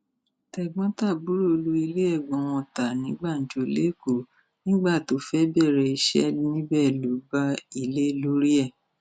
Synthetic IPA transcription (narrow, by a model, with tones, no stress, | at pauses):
tɛ˧˨ɡ͡bɔ̃˦ta˦˨bu˨˦ɾo˦o˧lu˦i˧le˦ɛ˦˨ɡ͡bɔ̃˨˦˨w̃ɔ̃˧ta˨nĩ˨˦ɡ͡ba˦˨n̩˨˦d͡ʒo˧le˦ko˨ | nĩ˦ɡ͡ba˦˨to˨˦fɛ˦bɛ˦˨ɾɛ˨i˧ʃɛ̰˦nĩ˦bɛ˦˨lu˨˦ba˦i˧le˦lu˨˦ɾi˦ɛ˦˨